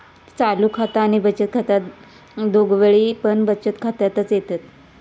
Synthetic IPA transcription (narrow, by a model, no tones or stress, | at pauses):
t͡saluːkʰat̪aːñibət͡ɕət̪̚kʰat̪a | d̪ʱoɡʋeɭiːpəɳbət͡ɕət̪kʰat̪jat̪ət͡sjet̪at̪